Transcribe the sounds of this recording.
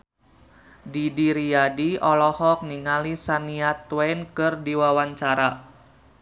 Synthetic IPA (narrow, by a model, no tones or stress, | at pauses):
didiɾiadiɔlɔhɔk̚niŋalisaniat̪wɛnkɨrdiwawaɲt͡ʃaɾa